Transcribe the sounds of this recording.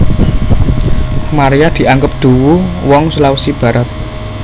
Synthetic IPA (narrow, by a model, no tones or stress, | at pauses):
maɾijad̪̥i̤ʔaŋɡʊp̚d̪̥ṳwuwɔŋsulausib̥a̤ɾat̪̚